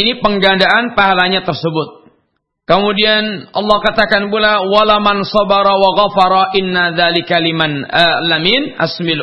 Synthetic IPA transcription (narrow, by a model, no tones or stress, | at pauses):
inipəŋɡandaʔanpaɦalaɲat̪ərsəbʊt̪̚ | kəmudianʔɑ̰lːɑhkat̪akanpulawalamansɑbɑɾˤawaɣafɑɾˤɑʔɪnːaðalɪkalimanlːamina̰smɪl